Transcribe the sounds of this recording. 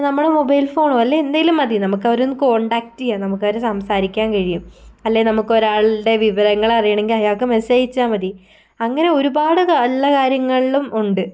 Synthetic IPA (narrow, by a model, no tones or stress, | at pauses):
nɐmːuɭemo̞bɐjlfo̞ːɳuɐlːeend̪ɐjilumɐd̪inɐmukːɐʋɐɾunːɨko̞ːɳɖaːk̚tːijanɐmukːɐʋɐɾesɐmsaːɾikʲːaːnkɐɻijumɐlːe̞nɐmukːo̞ɾaːɭiɖe̞ʋiʋɐɾɐŋːɐɭɐrijɐɳe̞ŋɡilɐjaːkːɨmenɐsɐjit͡ɕːaːmɐði | ɐŋːɐne̞o̞ɾubaːɽɨlːɐkaːɾjɐŋːɐɭilumuɳɖɨ